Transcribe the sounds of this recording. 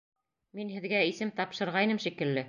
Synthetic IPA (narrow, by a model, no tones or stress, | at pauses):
minɦɘ̆ðɡæisɘmt̪ɑpʃɤ̆ɾʁɑjnɤmʃikɘ̆lːɘ